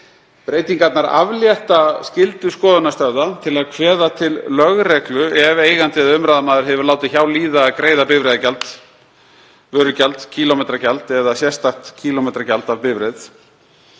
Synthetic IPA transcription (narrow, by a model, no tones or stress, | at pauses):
pɾeːjt̪iŋkat̪naɾa̰vljɛht̪ascɪlt̪ʏskɔːðʏnast̪œɾðat̪ʰɪlaðkʰvɛːðat̪ʰɪlːœɣrɛklʏɛveːjɣant̪ɪɛðʏmɾaːðamaːðʏɾ̥ɦɛvʏɾlaːwt̪ɪçawliːðakɾeːjðapɪvɾejðacalt̪ | vœːɾʏcalt̪cʰiːlɔmejt̪ɾacalt̪ɛðasjɛst̪aht̪cʰiːlɔmejt̪ɾacalt̪avpɪvɾejð